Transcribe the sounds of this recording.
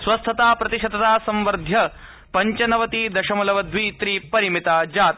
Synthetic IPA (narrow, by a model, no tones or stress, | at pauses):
sʋɐst̪ʰɐt̪aːpɾɐt̪iʃɐd̪ɐt̪aːsɐ̃mʋɐɾd̪ʱjɐ | pɐɲt͡ʃɐnɐʋɐt̪iːd̪ɐʃɐmɐlɐʋɐd̪ʱʋiːt̪ɾiːpɐɾimit̪aːd͡ʒaːt̪